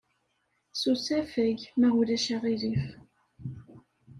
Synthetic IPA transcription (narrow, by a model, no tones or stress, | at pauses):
susæfæʝmæʁulæʃæʁilif